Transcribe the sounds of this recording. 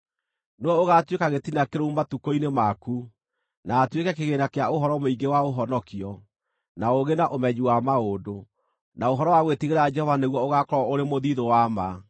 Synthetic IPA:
newɔoɣatwekaɣetinakeɾoumatukoinemaku | naːtwekɛkeɣenakeaoɦɔɾɔmoiŋɡewaoɦɔnɔkiɔ | naoɣenaʔomɛɲiwamaodo | naoɦɔɾɔwaɣwetiɣeɾaːd͡ʒɛhɔvaneɣwɔoɣakɔɾɔoɾemoðiðowama

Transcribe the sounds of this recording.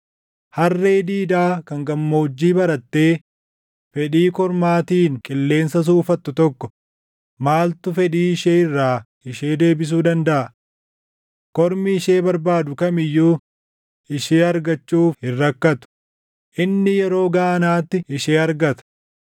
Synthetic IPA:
hɐrːe̞ːd̪iːd̪aːkɐŋɡɐmːo̞ːd͡ʒːiːbɐɾɐt̪ːe̞ː | fɛᶑiːkɔɾmaːt̪iːŋkʼɪlːe̞ːnsɐs̬uːfɐt̪ːʊt̪ɔkːɔ | maːlt̪ʊfɛᶑiːɪʃeːɪrːaː | ɪʃeːd̪e̞ːbɪs̬uːd̪ɐnd̪ɐʔɐ | kɔɾmɪɪʃeːbɐɾbaːd̪ʊkɐmɪjːuː | ɪʃeːɐɾɡɐt͡ʃːuːfhɪrːɐkːɐt̪ʊ̥ | ʔɪnːɪjɛɾo̞ːɡaːɐnaːt̪ːɪʔɪʃeːɐɾɡɐt̪ɐ̥

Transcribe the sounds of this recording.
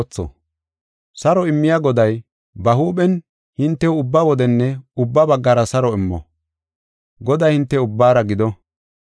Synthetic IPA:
t͡sːɔ̰ | sɐɾɔɪmːɪjaɡɔd̪ɐj | bɐɦuːɓɛn | hɪnt̪ːɛwʊbːɐwɔd̪ɛnːɛʊbːɐbɐɡːaːɾɐsɐɾɔɪmːɔ̰ | ɡɔd̪ɐjhɪnt̪ːɛʊbːaːɾɐɡɪd̪ɔ

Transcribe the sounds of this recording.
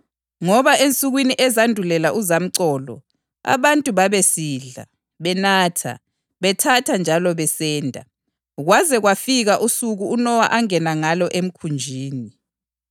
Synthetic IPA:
ŋɔβaʔent͡sʼuɣwiniʔɛzandʱulɛlaʔuzam̩ǀɔːlɔ̰ | a̰βantʼuβaβesiːɮa̰ | βɛnaːtʰa̰ | βɛtʰatʰand͡ʒʱalɔβɛsɛːndʱa | ɣwazɛɣwafiɣaʔusuɣuːnɔwaʔaŋɛnaŋalɔʔem̩kʰund͡ʒʱiːni

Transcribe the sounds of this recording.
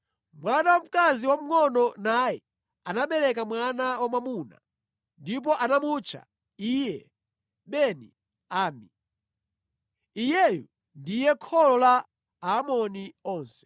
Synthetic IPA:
mwanawam̩kaziwam̩ŋɔnɔnajɛ | anaɓɛɾɛk̬amwanawamamuna̰ | ndip̬ɔʔanamut͡ʃʰa̰ | ijɛ | ɓɛnḭ | aːmi | ijɛjṵ | ndijɛkʰɔlɔla | aːmɔniɔːnsɛ̥

